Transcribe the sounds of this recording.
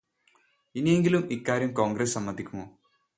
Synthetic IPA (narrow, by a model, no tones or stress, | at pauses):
inije̞ŋɡilumikːaːɾjɐmko̞ːŋɡɾessɐmːɐnd̪ʱikʲːumoː